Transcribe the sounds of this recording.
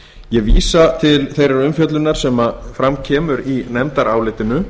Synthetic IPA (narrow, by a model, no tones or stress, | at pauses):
jɛɣvḭːsat̪ʰɪlθejɾaɾʏmfjœt̪lʏnːaɾ̥sɛmafɾamcʰɛːmʏɾinɛmt̪aɾaːwlɪːt̪ɪnʏ